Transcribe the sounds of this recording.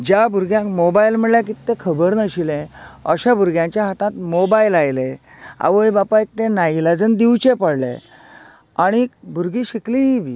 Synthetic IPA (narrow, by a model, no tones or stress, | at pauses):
d͡ʑjabʱuɾɡjãkmobailm̤əɽljak̬it̪ːekʰəbəɾnəɕilẽə̰ɕabʱuɾɡjãɲt͡ɕjaɦat̪ãt̪mobailajle | a̰ʋəjbapaek̚t̪ẽnailad͡zənd̪iwt͡ɕepəɽlḛ | aɽ̃ikbʱuɾɡiɕiklĩɦibḭ